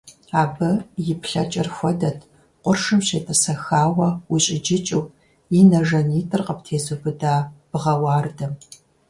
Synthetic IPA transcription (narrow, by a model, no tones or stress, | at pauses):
aːbɐjɪpɬɐt͡ʃʼɐrxʷɔdɐtʰ | qʷʼʊrʂɨmɕeːtʼɐsɐxaːwɐwiɕʼɪd͡ʒɪt͡ʃʼuw | inɐʒɐniːtʼɨrqəptʰeːzubɨdaːb̥ɨʁɐwɑːrdɐm